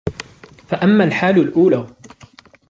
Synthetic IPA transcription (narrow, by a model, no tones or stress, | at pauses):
faʔamːaːlħaːlʊlʔuːlaː